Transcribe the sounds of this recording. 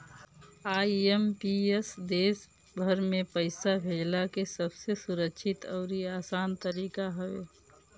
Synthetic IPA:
aːiempiesd̪eːs | bʱəɾmẽpəɪsabʱeːd͡ʒlakesəbsesuɾəkʃʰɪt̪ɔːɾiaːsaːnt̪əɾiːkaɦəʋḛː

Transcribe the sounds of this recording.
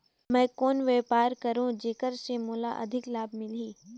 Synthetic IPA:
mɛ̃ːkoːnʋeːpaːɾkɐɾũd͡ʒeːkəɾseːmuːlaʔɐ̰d̪ʱɪklaːbmɪliː

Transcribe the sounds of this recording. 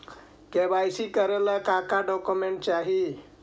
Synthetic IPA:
kebajsikəɾeləkakaɖɔkumeɳʈ̚t͡ʃaɦi

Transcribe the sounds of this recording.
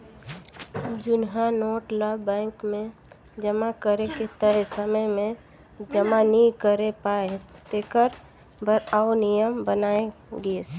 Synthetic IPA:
d͡ʒʊnɦanoːʈləbːɛ̃ːŋkmẽ | d͡ʒəmakəɾeket̪əɾesəməjmẽ | d͡ʒəmanikəɾepaet̪ekəɾ | bəɾaʊnijəmbənaeɡes

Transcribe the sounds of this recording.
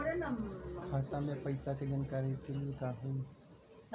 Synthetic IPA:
ɾənɐmkʰaːt̪amẽpɐɪsakeɡənkaːɾikeliekaːɦũ

